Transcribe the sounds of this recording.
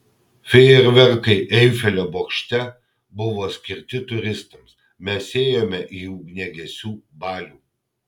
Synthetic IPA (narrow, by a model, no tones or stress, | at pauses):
fʲɛɛɾʲʋʲɛɾkɐɪʔɛɪfʲɛlʲoːboːkʃʲt̪ʲɛ | bʊʋoːsʲkʲɪɾʲt̪ʲɪt̪ʊɾʲɪst̪ɐms | mʲɛseːjomʲɛʔjuːɡnʲɛɡʲɛsʲuːbɑːlʲuː